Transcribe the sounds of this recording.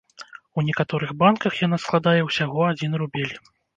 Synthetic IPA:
wnʲɛkat̪ɔɾɨɣbankɐxjanasklˠad̪ajɛwsʲaɣɔad͡zʲinrubʲelʲ

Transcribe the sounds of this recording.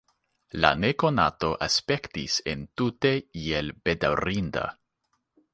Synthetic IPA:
la̰nekona̰t̪o̞ʔaspekt̪isḛntut̪eielb̥ed̪awɾind̪a̰

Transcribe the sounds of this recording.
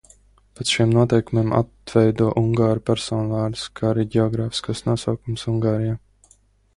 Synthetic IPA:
pet̪sʃimnuɔt̪ɛjkumiːmʔa̰t̪vɛjd̪uɔʔuŋɡaːɾupæɾsɔːnuvaːɾd̪ɨskaaɾiɟɛɔɡɾaːfi̥skasnuɔsawkumsuŋɡaːɾijaː

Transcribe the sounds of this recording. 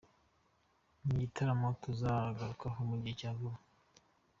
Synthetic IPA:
niɟitʰaɾamotuzaaɡaɾukaɦomuɟiecaɡuɾa

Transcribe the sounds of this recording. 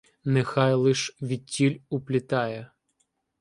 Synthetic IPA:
nexɑjlˠɪʃʋʲitʲilʲʊplʲit̪ɑjɛ

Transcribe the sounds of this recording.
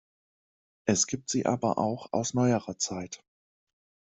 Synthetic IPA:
ʔɛsɡ̥iːp̚tz̥iːʔa̰ːbɐ̰ʔa̰ʊxa̰ʊsnɔʏəʁɐt͡saɪt

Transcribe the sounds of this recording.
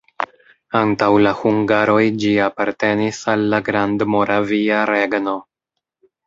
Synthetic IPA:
antawlahuŋɡaɾo̞jd͡ʒiapaɾte̞nisalːaɡɾandmo̞ɾaviaɾe̞ɡno̞

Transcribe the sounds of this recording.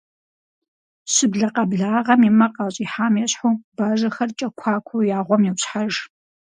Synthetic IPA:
sɨbɮɐqɐbɮaːʁɐmimɐqɐɕʼiːħaːmjɛɕħubaːʒɐxɐrt͡ʃʼɐkʷʰaːkʷʰowjaːʁʷɔmjiwɕħaʒ

